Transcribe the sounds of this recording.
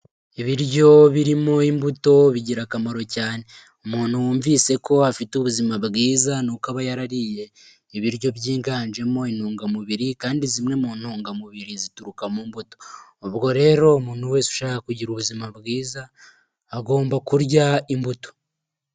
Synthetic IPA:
iβiɾɟo̞βiɾimo̞imbuto̞βiɟiɾakamaɾo̞caːne̞ | umuːn̥huwuːɱviːse̞ko̞afituβuzimabɡiːzanukaβajaɾaɾije̞ | iβiɾjo̞βjiːŋɡaːnd͡ʒe̞mo̞inhuːŋɡamuβiɾikaːndizimŋe̞muːn̥huːŋɡamuβiɾizituɾukamumbuto̞ːβɡo̞ɾe̞ːɾo̞umuːn̥huwe̞siu̥ʃaːkakuɟiɾuβuzimaβɡiːzaː | ɡo̞ːmbakuɾɟaimbuto̞̥

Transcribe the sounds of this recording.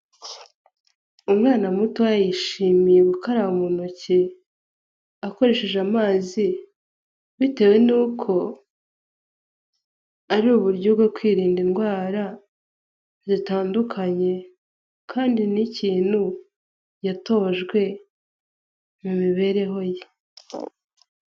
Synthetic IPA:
umŋaːnamutajajiʃiːmijeβukaɾaumunuci | ako̞ɾe̞ːʃe̞ʒamaːzi | βite̞we̞nuːkʰo̞ | aɾuːβuɾɟoβɡwekwiːɾiːndinɡwaːɾa | zitaːndukʰaɲe̞ | kʰaːndiniciːn̥hu | jato̞ːʒɡwe̞ | mumiβe̞ɾe̞ɦo̞je

